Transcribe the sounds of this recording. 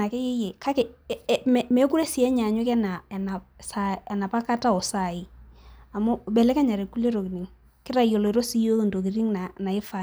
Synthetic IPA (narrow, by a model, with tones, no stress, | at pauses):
a˨kɛ˦jɛ˦jɛ˨kʰa˦kɛ˨mɛ˨mɛ˨˦ku˦ɾɛ˦sɪ˨˦ɛ˦ɲa˨ɲʊ˦kɛ˦na˨ɛ˨na˨sa˨ɛ˨na˨pa˦ka˦ta˦ɔ˨sa˨ɪ˨a˨mɔ˦bɛ˨lɛ˦kɛ˦ɲa˨ɾe˨kːu˦le˦ɾo˨ki˨ni˨˦ŋ | kɪ˦ɾa˨jo˨lɔ˨i˨ɾo˦si˦jo˦˨ndo˨ki˨ɾi˦ŋna˨na˨ɪ˦fa˦